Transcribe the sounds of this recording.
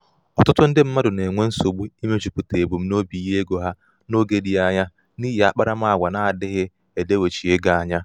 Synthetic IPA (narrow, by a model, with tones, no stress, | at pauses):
ɔ˨tʊ˦tʊ˦n̩˦dɪ˦m̩˦ma˦dʊ˨ne˨ŋʷe˦n̩˦so˨ɡ͡bu˦i˦me˦t͡ʃu˨pu˨te˨bu˨m̩˦no˦bi˨i˨ɦe˦ɡo˨ɦa˦ | no˦ɡe˦di˨a˦ɲa˦ | niː˦ɦe˨a˦k͡pa˦ɾa˦m̩˦a˦˨a˨ɡʷa˨na˨a˨dɪ˦ɦɪ˦ | e˨de˦we˨t͡ʃi˨e˦ɡa˨a˦˨ɲa˦